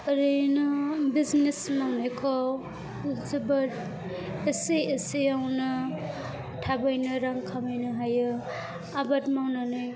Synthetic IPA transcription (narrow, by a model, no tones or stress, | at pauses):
ɾejnɯbiznesmawnajkʰɔ | zibaɾ | eseesejawnɯ | tʰabajnɯɾaŋkʰamajnɯɦajɯ | abatmawnanɯj